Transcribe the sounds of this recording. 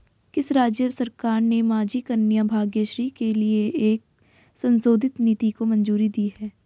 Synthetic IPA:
kɪsɾaːd͡ʒjəsɐɾkaːɾnemaːd͡ʒikənjabʱaːɡjəʃɾiːkelieeːk̚ | sɐ̃nsoːd̪ʱɪt̪niːt̪ikomɐ̃nd͡ʒuːɾid̪iːɦɛː

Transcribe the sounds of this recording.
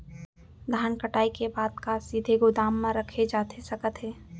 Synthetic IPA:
d̪ʱaːnkəʈaːikebaːd̪kasid̪ʱeɡʊd̪aːmːãɾəkʰed͡ʒaːt̪ʰesəkət̪ɦɛː

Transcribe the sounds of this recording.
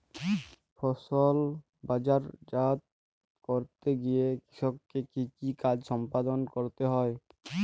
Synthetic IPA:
pʰɔsɔl | bad͡ʑaɾd͡ʒat̪̚ | koɾt̪eɡijeki̥sɔk̚kekikikad͡ʑsɔmpad̪ɔnkoɾt̪eɦɔe

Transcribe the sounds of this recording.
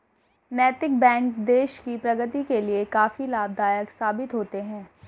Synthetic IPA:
nɛːt̪ɪk̚bɛ̃ːŋkd̪eːʃkipɾɐɡət̪ikeliekaːfilaːb̚d̪aːjəksaːbɪt̪ɦoːt̪eɦɛ̃ː

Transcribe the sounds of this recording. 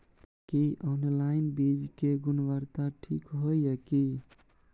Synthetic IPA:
kiʔɔnlainbid͡ʒkeɡunʋəɾt̪aʈʰḭkɦojəki

